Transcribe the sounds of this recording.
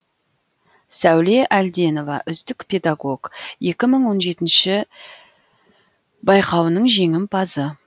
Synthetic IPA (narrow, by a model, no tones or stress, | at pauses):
sæwle̞ʔæld̪e̞no̞vɑʔʏzt̪ɪkpʲʰe̞d̪aɡo̞ɡ̥je̞kʲɪməɴwo̞nʒe̞t̪ɪnʃɪ | bɑjqʰɑwənəɴʒe̞ŋɪmpʰɑzə